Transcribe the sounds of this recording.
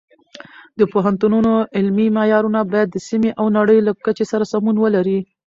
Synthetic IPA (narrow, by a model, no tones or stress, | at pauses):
d̪əpoɦant̪ununoɪlmimajɑɾunabɑjad̪ːəsimeʔawnaɽəjlakət͡ʃesaɾasamunwəlaɾi